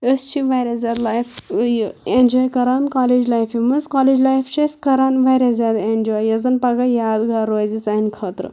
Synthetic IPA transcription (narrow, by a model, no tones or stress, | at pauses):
əst͡ʃʰiʋajɾʲazʲaːd̪lajfjenʲd͡ʒɔːjkɐɾaːnkaːled͡ʒlajfimɐzkaːled͡ʒlaːjft͡ʃʰɐskɐɾaːnʋajɾazʲaːd̪end͡ʒɔːjjɐzɐnpɐɡɐjaːd̪ɡɐɾoːzisainkʰɐt̪ɾɨ̰